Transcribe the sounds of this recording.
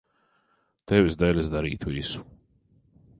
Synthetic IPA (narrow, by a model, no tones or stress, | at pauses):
t̪ɛvʲisd̪ɛlʲɛsd̪aɾḭːt̪uisu̥